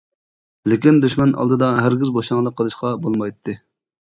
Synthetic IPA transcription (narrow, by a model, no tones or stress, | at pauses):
lɪkʲind̪øʃmɑnʔɑ̰lˠd̪ɨd̪ɑɦæɾɡʲizboʃɑŋlˠəqʰːəlˠɨʃqɑbolˠmɑjt̪ʰːɨ